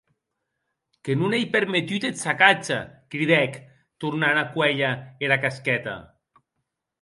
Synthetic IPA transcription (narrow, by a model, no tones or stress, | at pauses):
kenunejpeɾmet̪yt̪et̪sakat͡ʃakɾiðɛk | t̪uɾnanakwɛʎaeɾakaskɛt̪a̰